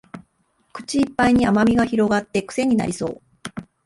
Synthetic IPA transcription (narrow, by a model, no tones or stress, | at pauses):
kɯ̟̥t͡ɕiːpːaiɲ̟iamamʲiɡaçiɾo̞ɡat̪ːe̞kɯ̥se̞ɲ̟ina̰ɾʲiso̞̰ː